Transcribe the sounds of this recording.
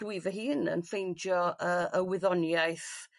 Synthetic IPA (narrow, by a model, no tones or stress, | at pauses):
wɪvəɦiːnə̰nfejnd͡ʒjɔəəwɪðɔnjajθ